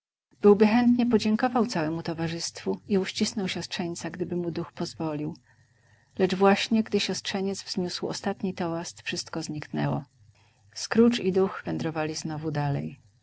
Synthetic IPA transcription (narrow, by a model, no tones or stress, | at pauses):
b̥ɘwbɘxɛnt̪ɲɛpɔd͡ʑɛŋkɔvawt̪sawɛmut̪ɔvaʐɘst̪fuiuɕt͡ɕisnɔwɕɔstʂɛɲt̪saɡd̪ɘbɘmud̪uxpɔzvɔlʲiw | lɛd͡ʐvwaɕɲɛɡd̪ɘɕɔstʂɛɲɛd̪zvz̥ɲuswɔ̰st̪at̪ɲit̪ɔwast̪fʂɘst̪kɔzɲiknɛwɔ̰ | skɾut͡ʂid̪uxvɛnd̪ɾɔvalʲiznɔvud̪alɛ̰j